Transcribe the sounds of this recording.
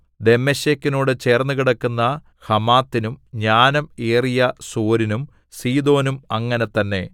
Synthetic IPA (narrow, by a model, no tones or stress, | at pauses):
d̪e̞mːeɕekːino̞ːɽɨt͡ɕe̞ːrnːukiɽɐkːunːɐ | hɐmaːt̪ːinumɲaːnɐmeːrijɐsoːɾinum | siːd̪o̞ːnumɐŋːɐne̞t̪ɐnːe̞